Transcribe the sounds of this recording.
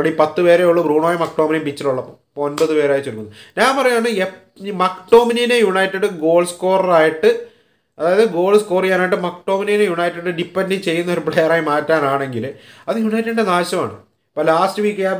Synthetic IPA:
ɐɽipɐt̪ːɨpeːɾeoɭːɐbruːɳoːjɐmɐkʈoːminimpit͡ɕːɐluɭːɐpːoːpːonbɐðɨpe̞ːɾaːjt͡ɕːoɾukːunːɐɲaːnpɐrɐjːmaːɳɨe | mɐkʈo̞ːmininejuɳɐjtːɐɽɨɡo̞ːlsko̞ːrɐraːjiʈːɨ | ɐðaːjɐðɨɡo̞ːlskoːrijaːnaːjiʈ̬ːɨmɐkʈo̞ːmininejuɳɐjtːɐɽɨɖipːɐndit͡ɕe̞jːunːɐoɾupɭejaraːjimaːtːaːnaːɳe̞ŋɡilɐðɨjuɳɐjtːɐɽiɳɖenaːɕɐma̰ːɳɨ̰ | pɐlaːstɨʋiːkːjaː

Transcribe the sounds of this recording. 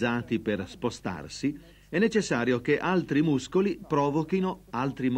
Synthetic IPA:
zaːt̪iperspost̪a̰rsi | ɛnːet͡ʃesːaːɾjokeʔalt̪ɾimuskolipɾɔːvokinoalt̪ɾim

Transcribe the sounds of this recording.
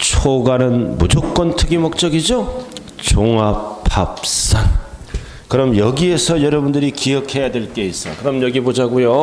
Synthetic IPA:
t͡ɕʰoɡanɯnmud͡ʑok͈̚wʌntʰɯɡimok̚t͡ɕ͈ʌɡid͡ʑo | t͡ɕoŋapʰap̚s͈an | kɯɾʌmjʌɡie̞sʰʌjʌɾʌbundɯɾikijʌkʰe̞jadwe̞ɭk͈e̞is͈ʌkɯɾʌmjʌɡibod͡ʑaɡujo

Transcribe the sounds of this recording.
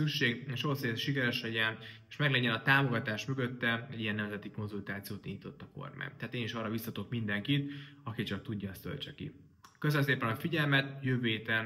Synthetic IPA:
ykʃeːɡeːʃooːsezʃikɛɾɛʃɛɟɛneʃmɛɡlɛɲːɛnɒt̪aːmo̞ɡɒt̪aːʃmø̞ɡøt̪ːɛɛɟːijɛnːɛmzɛt̪iko̞nzult̪aːt̪sijoːt̪ḭɲːit̪o̞t̪ːɒko̰rma̰ːjnt̪ɛɦat̪eːniʃɒːrɒvisɒt̪o̞kmind̪ɛŋkit̪ɒkit͡ʃɒk̚t̪uɟːɒɛst̪ø̰lt͡ʃɛkḭ | køsønmseːpɛnɒfiɟɛlmɛt̪jøːveːt̪ɛ

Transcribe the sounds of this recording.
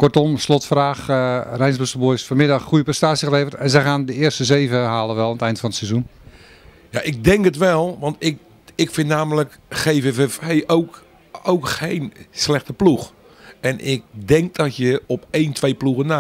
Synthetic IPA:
kɔrtɔmslɔtfraːxrɛjnzbøstəlˠbojsfɔrmɪdɑxːujəprɛstaːsjəɣəleːvərtɛnzɛjχaːndəɪərstəzeːvəɦaːlˠəʋɛlˠanətɛjntfɔnətsɛzun | ja̰ʔɪɡ̚dɛŋkətʋɛlˠʋɑntɪk | ɪkfɪnnaːmələkxeːvevefejʔowk | owkxejnslɛχtəplux | ɛnʔɪk̚dɛŋk̚dɔtjəɔpejntʋejpluɣəna

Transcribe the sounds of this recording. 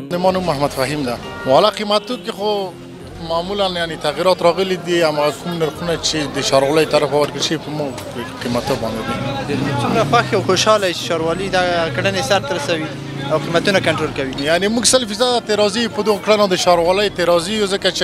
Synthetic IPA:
d̪emɑnumːahmad̪faɦimd̪a | walaqimat̪okexo | mamulanjanet̪aɣiɾɑt̪ɾɑɣəlid̪iamaɣakumnaɾxunat͡ʃed̪əʃɑɾwɑləjt̪aɾafwawaɾkəlʃəwipəmuɡpəqimat̪obɑ̰nd̪eb̪id̪t͡ʃumɾaxwaxawxoʃɑlajt͡ʃe̥ʃɑɾwɑlid̪akaɽənesaɾt̪ɾasawi | awqimat̪unakaɳʈɾolkawijanemuɡsəlfizad̪at̪eɾɑzijupəd̪okɽanad̪əʃɑɾwɑləjt̪eɾɑzijuzəkat͡ʃe

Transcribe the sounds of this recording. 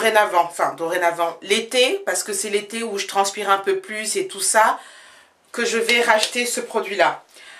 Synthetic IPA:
ʁenavɑ̃fɛ̃d̪oʁenavɑ̃let̪epaʁsə̥kəsɛlet̪euʒət̪χɑ̃spiʁɛ̃pøplyset̪usa | kəʒəvɛʁaʃt̪esəpχɔd̪ɥila

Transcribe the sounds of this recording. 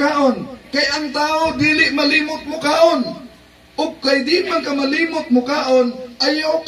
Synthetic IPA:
aːʔonkajʔaŋt̪aːod̪iːlɪʔmaliːmʊt̪̚mʊkaːʔon | ʔʊɡ̚kajd̪ɪmankamaliːmʊt̪̚mʊkaːʔonʔajʊ

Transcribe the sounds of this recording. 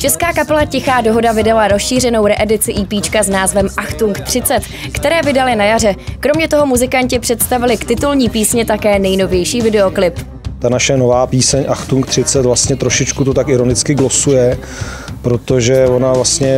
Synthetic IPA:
t͡ʃɛskaːkapɛlacɪxaːdo̞ɦo̞davɪdalaɾosʃiːr̝ɛno̞wɾɛʔɛdɪt͡sɪʔiːpiːt͡ʃkaznaːzvɛmʔaxt̪uŋkt̪r̥ɪt͡sɛt̪ | kt̪ɛɾɛːvɪdalɪnajar̝ɛkɾo̞mɲɛt̪o̞ɦo̞muzɪkaɲcɪpr̝̥ɛt̪st̪avɪlɪkt̪ɪt̪ulɲiːpiːsɲɛt̪akɛːnɛjno̞vjɛjʃiːvɪdɛo̞klɪp | t̪anaʃɛnovaːpiːsɛɲʔaxt̪uŋkt̪r̝̥ɪt͡sɛt̪vlast̪ɲɛt̪ɾoʃɪt͡ʃkut̪ot̪akɪɾonɪt͡skɪɡlo̞sujɛ | pɾo̞t̪o̞ʒɛvonavlast̪ɲɛ

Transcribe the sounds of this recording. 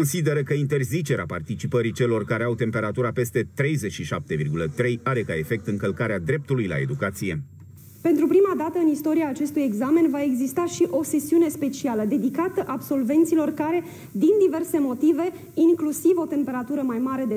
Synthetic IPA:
konsid̪e̞ɾəkəint̪e̞rzit͡ʃe̞ɾeapart̪it͡ʃipəɾit͡ʃe̞lo̞rkaɾeawt̪e̞mpe̞ɾat̪uɾape̞st̪e̞t̪ɾe̞jzet͡ʃʃiʃa̰p̚t̪e̞virɡulət̪ɾe̞jaɾe̞kae̞fe̞k̚t̪ɨŋkəlkaɾead̪ɾe̞p̚t̪ulujla̰e̞d̪ukat̪sije̞ | pe̞nt̪ɾupɾimad̪at̪əɨnist̪o̞ɾiaːt͡ʃe̞st̪uje̞ɡzame̞nvae̞ɡzist̪aʃiʔo̞se̞siune̞spe̞t͡ʃialəd̪e̞d̪ikat̪əʔabso̞lve̞nt̪silo̞rkaɾe̞ | d̪ind̪ive̞rse̞mo̞t̪ive̞ | iŋklusivo̞t̪e̞mpe̞ɾat̪uɾəmajmaɾe̞d̪e

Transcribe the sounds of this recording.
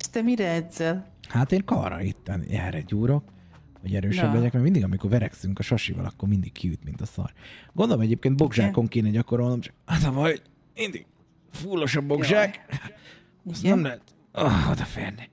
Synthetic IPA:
ʃt̪ɛmiɾɛɛzɛl | haːt̪eːŋkɒ̰rɒ̰it̪ːɛnɛ̰lɾɛɟuːɾo̞k | hoɟɛɾøːʃɛblɛɟɛkmɛɡmind̪iɡɒmiko̞rvɛɾɛksyŋkɒʃɒʃivɒ̰lɒ̰kːo̞ɾmind̪ikkʰiyt̪mint̪ɒsɒ̰rɡond̪olomɛɟeːpkeːn̚bo̞ɡʒaːko̞ŋkeːnɛɟɒko̞ɾo̞lno̞mt͡ʃɒ̥k̚at̪ɒvɒj | mind̪iɡ | fulːo̞ʃɒbo̞ɡʒaːk | sɛmlɛɦɛt̪ | ood̪ɒfeːrni

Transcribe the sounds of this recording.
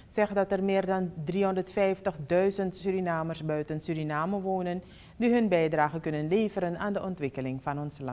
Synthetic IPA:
sɛxdɑtərmɪːrdɑndriɦondərtfɛjftəxdœɥzəntsyɾinaːmərsbœɥtənsyɾinaːməʋoːnən | diɦɵnbɛjdraːɣəkɵnənleːvəɾənaːndəʔɔntʋɪkəlɪŋfɑnɔnslɑ

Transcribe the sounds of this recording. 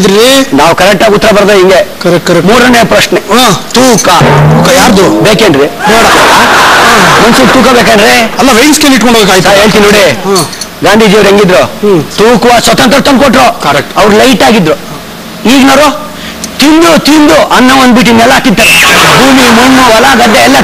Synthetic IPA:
d̪ɾinaːʋkɐɾɛk̚ʈaːɡut̪ːɾɐbɐɾd̪ɐiŋɡekɐɾmuːɽɐneːpɾɐʃnet̪uːkaukɐjaːɾd̪ubeːkeːnɖɾinoːɽaaː | mɐnsut̪uːkabeːk̬anɾiɐlːɐʋejskeːliʈkoɳɖod̪kːaːɡit̪ːaɦe̞ːɭt̪inːoːɽi | ɡaːnd̪ʱiːd͡ʒiːʋɾeŋɡid̪ɾot̪uːkʋasʋɐt̪ɐnt̪ɾɐt̪ɐnkoʈːɾokɐɾek̚ʈɐʋɾlɐjʈaːɡid̪ɾu | iːɡnoːɾo | t̪ind̪ut̪ind̪uʔɐnːɐʋɐnd̪biʈ̬inːɛlːaːkːid̪ːaːɾebʱuːmimunːuɐlaɡ̪ɐd̪ːeːlːɐ

